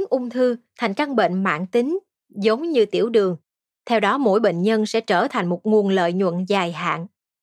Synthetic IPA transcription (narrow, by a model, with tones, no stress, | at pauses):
ŋʔʊ˧wŋ͡mt̪ʰɨ˧t̪ʰa˨˩jŋ̟t͡ɕa˧ŋɓḛ˧˨nma̰ː˧˨nt̪ï˨˦ŋ̟ | zə˨˦wŋ͡mɲɨ˧t̪ḭ˧˩əwɗɨ˨˩əŋ | t̪ʰɛ˧wɗɔ˨˦mo̰˧˥jɓḛ˧˨n̟ɲə˧nsɛ̰˧˥t͡ɕəː˧˩t̪ʰa˨˩jŋ̟mo˨˩t̚ŋu˨˩ənlə̰ː˧˨jɲwə̰˧˨nzaː˨˩jɦa̰ː˧˨n